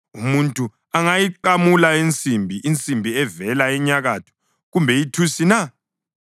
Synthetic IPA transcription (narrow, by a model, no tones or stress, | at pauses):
umuntʼu | aŋajiǃamulaint͡sʼimbʱiint͡sʼimbʱiɛvɛlaɛɲaɣatʰu̥ | ɣumbʱɛjitʰusina